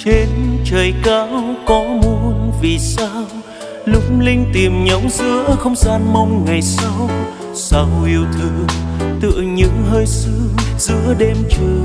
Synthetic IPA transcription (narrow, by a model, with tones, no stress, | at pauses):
t͡ɕe˧nt͡ɕəː˨˩jkaː˨˦wkɔ˨˦mu˧ənvi˨˩saː˧w | lʊ˨˧˥k͡p̚ŋ͡mlï˧ŋ̟t̪i˨˩əmɲɔ˨˦wŋ͡mzɨ̰˧˥əxə˧wŋ͡mzaː˧nma˧wŋ͡mŋa˨˩jsa˧w | saː˧˩whi˨˩əwt̪ʰɨ˧˩t̪ɨ̰˧˨əɲɨ̰˧˥ŋɦəː˧jsɨ˧˥z̥ɨ̰˧˥əɗɛ˧mt͡ɕɨ˨˩